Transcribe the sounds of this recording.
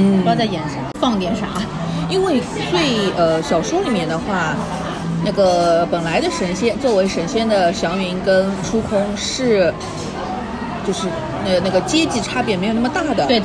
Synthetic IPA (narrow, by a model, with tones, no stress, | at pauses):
n̩˥˩ɑ˥˧t͡sa˥˩ɪjɛ˨˩nʂɑ˥˩ŋfɑ˥˧ŋt̪jɛ˥˩nʂa̰˧˥ | i˥nwe˥˧ɪ | t̪we˥˩ɪə˧ɕjɑ˨˩ʊʂwu˥li˨˩mjɛ˥˩nd̪ə˧xwa˥˩ | na˥˩ɡə˩pə˨˩nla˧˥ɪd̪ə˧ʂə˧˥nɕjɛ˥nt͡swɔ˥˩we˧˥ɪʂə˧˥nɕjɛ˥nd̪ə˨ɕjɑ˧˥ʊɥy˧i˥nkə˥nʈ͡ʂʰu˥kʰʊ˥ŋ | ʂɻ̩˥˩ | t͡ɕjo˥˧ʊʂɻ̩˥˩ | na˥˩na˥˩ɡə˩t͡ɕjɛ˥t͡ɕi˥˩ʈ͡ʂʰa˥pjɛ˥˩nme˧˥o˨˩n˥mə˧t̪a˥˩d̪ə˩we˥˩